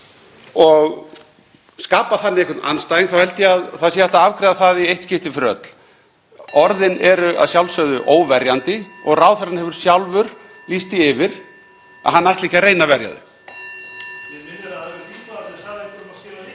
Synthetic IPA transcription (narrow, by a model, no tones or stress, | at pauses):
ɔɣ | skaːpaθanːɪɛkʰʏt̪nanst̪ajiŋθawhɛlt̪jɛaðθaðsɛːjðɛht̪aavkɾɛðaθaðiejht̪scɪft̪ɪfɾœ̰t̪l̥ | ɔɾðɪnɛɾʏa̰ðsjawlsœɣðʏʔoːwvɛɾjant̪ɪɔɣraːwθɛɾanhɛvʏɾ̥sjawlvʏɾ̥ | list̪iɪvɪɾ̥ | a̰ðɦanːajht̪lihcaɾeːjnavɛɾja̰ðʏ̰